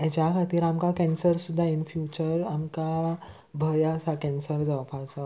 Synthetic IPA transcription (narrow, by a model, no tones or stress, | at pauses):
ɛt͡ɕakʰat̪iːɾamkakɛ̃nsəɾsud̪ʱːainfjut͡ɕəɾamka | bʱəjasakɛ̃nsəɾd͡zaʋpʰasa